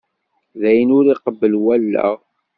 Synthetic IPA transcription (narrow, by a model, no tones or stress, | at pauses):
ðæjənʊɾiqəbːəlwælːæ̰